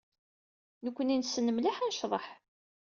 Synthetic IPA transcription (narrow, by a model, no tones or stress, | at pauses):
nəkʷːəninsːənəmlaħænʃðˤɑħ